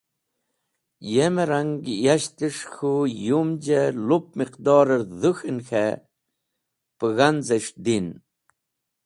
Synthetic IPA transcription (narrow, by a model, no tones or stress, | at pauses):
jemeɾaŋɡjaʃt̪əʂxujumd͡ʒelup̚miqd̪ɑːɾəɾðuxɨnxe | pəɣanzəʂd̪in